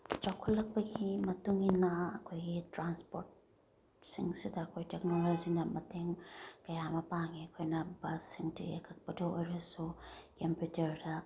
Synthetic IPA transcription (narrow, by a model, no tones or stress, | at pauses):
t͡ʃawkʰulːɐk̚pɐɡimɐtuŋinɐɐkʰojɡitɾanspoɾt̚ | sḭŋsidɐːkʰojteknolojd͡ʒinɐmɐteŋkɐjamɐpaŋiɐkʰojnɐbɐsiŋtʰḭḛkʰɐk̚pɐdoojɾɐsukempjut͡ʃɐɾdɐ